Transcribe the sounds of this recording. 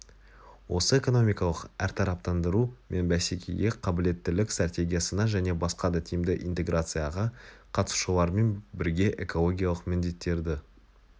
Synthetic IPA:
wʔo̞səe̞ko̞no̞mʲijkɑlˠəqæɾt̪ʰɑɾɑp̚t̪ɑnd̪əɾumʔe̞nbæse̞kʲḛjɡʲe̞qʰɑbɪle̞t̪ːɪlɪkst̪rat̪ʲe̞ɡʲijasənɑʒæne̞bɑsqɑd̪ɑt̪ʰijɪmd̪ɪʔint̪e̞ɡrʔat̪sɨjaʁɑqʰɑt̪əsʃulˠɑɾme̞nbɪɾɡʲe̞ʔe̞̰ko̞lˠo̞ɡʲijalˠəqmɪnd̪e̞t̪ːe̞ɾd̪ɪ

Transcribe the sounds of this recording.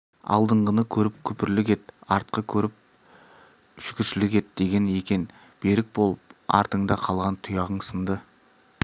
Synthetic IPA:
ɑ̰lˠd̪əɴʁənəkʲʰɵɾɪp̚kʲʰɵpɪɾlɪkʲe̞t̪ɑɾt̪̚qəkʲʰɵɾɪp̚ | ʒ̥ʏkʲɪɾʃɪlɪkʲe̞t̪̚d̪̥e̞ɡʲe̞ne̞kʲe̞n | b̥e̞ɾɪk̚bo̞lˠəpɑ̰ɾt̪əɴd̪ɑqʰɑlˠʁɑnt̪ʰʊjɑʁəɴsənd̪ə

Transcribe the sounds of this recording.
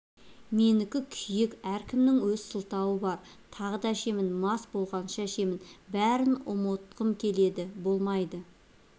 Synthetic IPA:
me̞nɪkʲɪkʲʰʏjɪkæɾkʲʰɪmnɪŋwɵzsəlˠt̪ɑwəbɑɾ | t̪ʰɑʁəd̪ɑæʃe̞mɪnmɑsbo̞lˠʁɑnʃɑʃe̞mɪnbæɾɪnʊ̰mot̪qəmkʲʰe̞le̞d̪ɪbo̞lˠmɑjd̪ə

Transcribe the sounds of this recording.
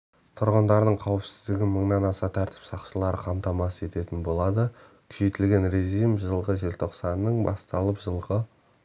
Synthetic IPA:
t̪ʰʊɾʁənd̪ɑɾd̪əɴqʰɑwəpsɪzd̪ɪɡʲɪməɴnɑnɑsɑt̪ʰæɾt̪ʰɪ̥psɑqʃəlˠɑɾəqʰɑmt̪ɑmɑsəe̞t̪e̞t̪ɪnbo̞lˠɑd̪ə | kʲʰʏ̥ʃe̞jt̪ɪlɡʲe̞nreʒijmʒəlˠʁəʒe̞lt̪ʰo̞qsɑnːəɴbɑ̰st̪ɑlˠəpʒəlˠʁə

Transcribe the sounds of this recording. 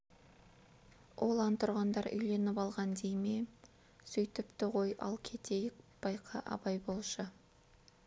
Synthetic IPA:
wʔo̞lˠɑnt̪ʰʊɾʁɑnd̪ɑɾʏ̰jle̞nɪpɑlˠʁɑnd̪ejme | sʏjt̪ɪpt̪ɪʁo̞jʔɑ̰lˠkʲʰe̞t̪ʰe̞jɪk̚b̥ɑjqʰɑʔɑ̰bɑjbo̞lˠʃə

